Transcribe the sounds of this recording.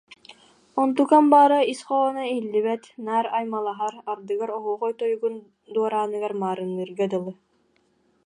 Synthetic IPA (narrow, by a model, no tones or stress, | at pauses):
ɔnt̪ukambaːɾaisχɔɔnailːiβɛt̪naːɾajmalˠaɦaɾaɾd̪ɯɡaɾɔɦuːʁɔjt̪ɔjuɡun | d̪uɔɾaːnɯɡaɾmaːɾɯnːɯɾɡad̪ɯlˠɯ